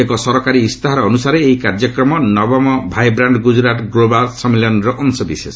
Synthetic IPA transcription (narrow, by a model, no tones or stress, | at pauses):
ekɔsɔɾɔkaɾiːst̪ʰaɦaɾɔːnusaɾeːjkaɾd͡ʒɔkɾɔmɔnɔbɔmɔbʱajbɾaɳɖɡud͡ʒɾaʈɡɾobalsɔmiljɔnɾɔʔɔnsɔb̪ises